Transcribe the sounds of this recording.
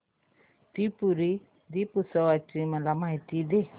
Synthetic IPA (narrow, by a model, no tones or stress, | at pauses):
d̥ipuɾi | dipusɔwat͡ʃiməlamait̪ide